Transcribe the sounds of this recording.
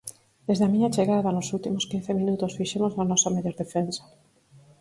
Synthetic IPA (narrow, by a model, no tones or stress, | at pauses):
d̪ezðeamĩɲat͡ʃeɣaðanosult̪imoskin̟θemĩnut̪osfiʃemoznanɔsameʎɔɾðefensḁ